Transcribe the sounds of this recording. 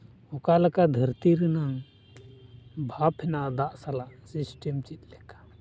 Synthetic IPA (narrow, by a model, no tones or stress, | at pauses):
ɔkalakad̪ʱəɾt̪iɾinaŋ | bʱapʰhɛnaʔd̪aʔsalaʔsisʈɛmt͡ʃit̪̚ˀlɛkḁ